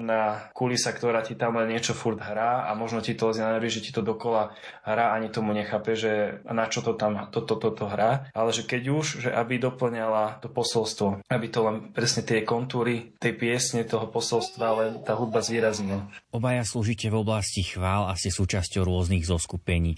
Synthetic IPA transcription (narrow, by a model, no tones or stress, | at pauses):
nakulisakt̪ɔɾaːcit̪amlɛnɲɪɛt͡ʃɔfuɾd̪ɦɾaːa̰mɔʒnɔcit̪ɔlɛzɛnaʋɛɾiʒɛci̥t̪ɔd̪ɔkɔla | ɦɾaːaɲit̪ɔmuɲɛxaːpɛʒʒɛnat͡ʃɔt̪ɔt̪amt̪ɔt̪ɔt̪ɔt̪ɔɦɾaːʔalɛʒɛkɛɟuʒʒɛʔabid̪ɔpl̩ɲalat̪ɔpɔsɔlst̪ʋɔabit̪ɔlɛnpɾɛsɲɛt̪ɪɛkɔnt̪uːɾit̪ɛjpɪɛsɲɛt̪ɔɦɔpɔsɔlst̪ʋalɛnt̪aːɦud̪̚bazʋiːɾazɲilɔbajasluːʒicɛvɔblascixʋaːlasisuːt͡ʃascɔʊɾʊɔzniɣzɔskupɛɲiː